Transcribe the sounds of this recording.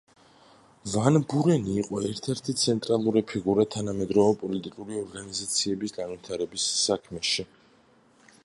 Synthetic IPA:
vanbuɾɛniːqʼɔɛɾt̪ʰɛɾt̪ʰit̪sʰɛnt̪ʼɾalˠuɾɛpʰiɡuɾat̪ʰanamɛd̪ɾɔvɛpʼɔlit̪ʼikʼuliɔɾɡanizat̪sʰiɛbisɡanvit̪ʰaɾɛbisːakʰmɛʃi

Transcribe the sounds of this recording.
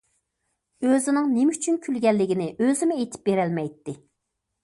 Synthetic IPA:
øzɪnɪŋnemɪyt͡ʃʰynkʲʰylɡʲɛlːɪɡʲinɪʔøzɪmɪet̪ʰɪ̥p̚beɾɛlmɛjt̪ːɪ

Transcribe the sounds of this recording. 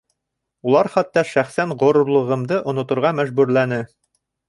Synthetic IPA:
ulˠɑɾχæt̪ːɑʃæχsæɴʁŏɾŏɾlˠɤ̆ʁɤ̆md̪ɤʔŏnŏt̪ŏɾʁɑmæʒbʉɾlænɘ

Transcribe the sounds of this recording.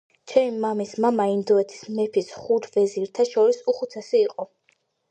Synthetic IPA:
t͡ʃʰɛmimamismamaind̪ɔɛt̪ʰi̥smɛpʰisχuɾvɛziɾt̪ʰaʃɔɾisuχut̪sʰɛsiːqʼɔ

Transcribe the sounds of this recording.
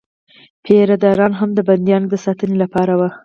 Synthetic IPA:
pʰeɾad̪ɑɾɑnɦamd̪əband̪jɑnd̪əsɑt̪ənelapɑɾawa

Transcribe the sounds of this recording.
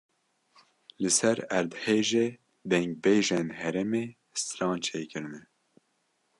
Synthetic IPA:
lɨsɛɾæɾd̪heːʒeː | d̪ɛŋɡ̚beːʒenhɛɾɛmeː | st̪ɾɑːnt͡ʃʰeːkɨɾɨnɛ

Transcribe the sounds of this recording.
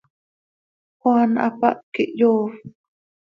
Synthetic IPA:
xwana̰pa̰ʔ̚kiʔjoː

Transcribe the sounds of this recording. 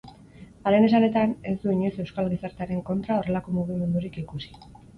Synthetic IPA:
aɾene̞sane̞t̪ane̞sd̪uiɲosewskalɣisaɾt̪eaɾe̞ŋko̞nt̪ɾao̞re̞lako̞muɣ̞ime̞nd̪uɾikikusi̥

